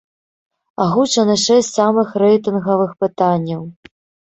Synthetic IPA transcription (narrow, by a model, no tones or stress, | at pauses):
aɣut͡ʂɐnɨʂɛsʲsamɨxrɛjt̪ɨnɣɐvɨxpɨt̪anʲːɐw